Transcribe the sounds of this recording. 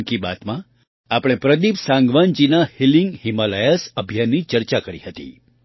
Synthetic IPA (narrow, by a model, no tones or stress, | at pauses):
kiba̰t̪mã | apɽ̃epɾəd̪ipsãŋɡʋand͡ʒinahiliŋɡhimalajəsəbʱijanːit͡ʃəɾt͡ʃakəɾḭhət̪ḭ